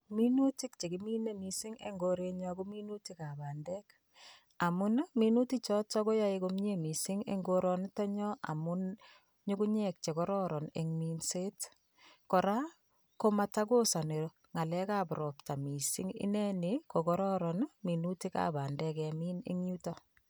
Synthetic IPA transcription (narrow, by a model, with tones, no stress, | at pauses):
mi˦nu˦ti˦k̚t͡ʃe˨kimi˦ne˦misi˦ŋḛ˦ŋɡo˦ɾe˦ɲɔku˦mi˦nu˦ti˦ka˨baː˨ndɛ˦k | a˨mʊ˦nmi˦nu˦ti˦t͡ʃɔ˦t͡ʃɔ˦ko˦ja˦ekomɲe˨mi˨si˦ŋḛ˦ŋɡoɾɔntɔ˦ɲɔ˦ʔa̰˨mʊ˦n | ɲu˦ku˦ɲɛ˦k̚t͡ʃe˨kɔ˦ɾɔ˦ɾɔ˨nḛ˨ŋmi˦nse˦t | kɔ˨ɾa˦ | ko˦ma˦ta˦ko˦sa˨ne˨ɾo˦ | ŋa˨lɛ˦ka˦bʊɾɔ˨pta˨mi˨sḭ˦ŋḭ˦nɛ˦niko˨kɔ˦ɾɔ˦ɾɔnmi˨nuti˦ka̰˨ba˨ndɛ˦kami˦nḛŋɲu˦tɔ